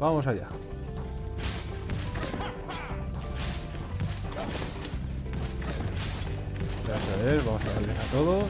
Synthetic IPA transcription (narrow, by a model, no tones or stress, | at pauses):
bamosaʝa̰ | a | jasaβeɾβamosaðalesat̪o̞ðo